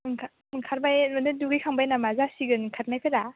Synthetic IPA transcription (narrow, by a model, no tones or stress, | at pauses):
ŋkʰa | ɯŋkʰaɾbajmɯnɯduɡikʰaŋbajnamazasiɡɯnŋkʰaɾ̚najpʰɯɾa